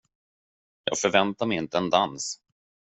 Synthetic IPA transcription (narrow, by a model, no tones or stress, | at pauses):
jɑ̰ːɡfœɾvɛnt̪aɾmɛjɪnt̪əɛnd̪ans